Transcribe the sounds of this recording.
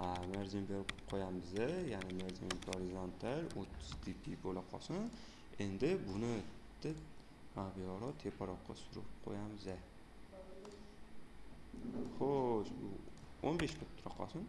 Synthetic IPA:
ameɾzɪmbeɾkpqʰojamɪzajanɪmeɾzɪmɡoɾizont̪ʰaɾot̪ʰːʊ̥z̥d̪ipʰibolaqʰɒ̰sɪn | e̞nd̪ɪbʊnɪd̪̥ɪ | abijɒɾɒt̪ʰepʰaɾɒqʰːɑsʊɾɪp̚qʰo̰jamɪza | χoʃʊ̰ | onbeʃkʰʊt̪ʰːɾaqʰɒ̰sɪn

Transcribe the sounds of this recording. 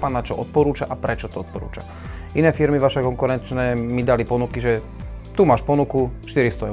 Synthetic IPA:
paːnːat͡ʃɔʔɔt̪̚pɔɾuːt͡ʃaʔapɾɛt͡ʃɔt̪ɔɔt̪̚pɔɾṵːt͡ʃa̰ | inɛːfiɾmiʋaʃɛkɔŋkuɾɛnt͡ʃnɛːmid̪alipɔnukiʒɛ | t̪umaːʃpɔnukuʃt̪iɾist̪ɔɛ

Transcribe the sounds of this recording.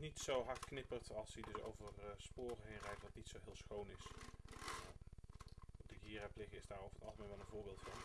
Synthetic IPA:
nitsowɦɑɹtknɪpərtʰɑlˠsədɵso̰wvərspʊːrəɦejnrɛjtʋɑtnitsowɦɪːlˠsxownɪs | a | dəɡiːraplɪxəɪzdaːrowvəɹətɑlˠχəmejʋɛlˠənvʊːɹbɪːlˠtfɑn

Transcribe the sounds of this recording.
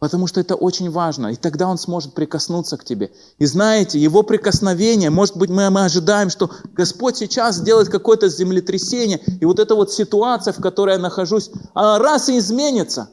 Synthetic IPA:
pət̪ɐmuʂt̪o̞ɛt̪əʔo̞t͡ɕɪnʲvaʐnə̰it̪ɐɡd̪ao̞nsmo̞ʐɨt̪̚pɾʲɪkɐsnut̪səktʲɪbʲe̞ | iznajɪtʲɪjɪvo̞pɾʲɪkəsnɐvʲenʲɪjəmo̞ʐɨt̪̚bɨtʲmɨmɨɐʐɨd̪ajɪmʂt̪o̞ɡɐspo̞tʲsʲɪt͡ɕaszʲdʲelˠəɪt̪̚kɐko̞jət̪əzʲɪmlʲɪt̪ɾʲɪsʲenʲɪjəivo̞t̪ɛt̪əvo̞t̪sʲɪt̪ʊat̪sɨjəfkɐt̪o̞ɾəjanəxɐʐusʲɐɾasɨːzmʲenʲɪt̪sə̰

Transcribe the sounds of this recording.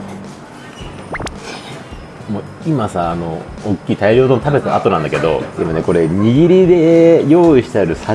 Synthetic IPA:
moː | imasaːno̞ːkʲːiːt̪aiɾʲiot̪onot̪abe̞t̪at̪o̞nãnd̪ake̞d̪o̞̰imane̞ko̞ɾe̞ɲ̟iɡʲiɾʲid̪e̞jo̞ːiɕi̥t̪aɾɯ̟sa

